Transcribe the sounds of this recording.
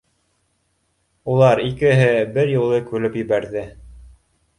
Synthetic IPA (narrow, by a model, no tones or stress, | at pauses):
ulˠɑɾikɘ̆ɦɘbɘɾjulˠɤkʉlɘpjɘ̆βæɾðɘ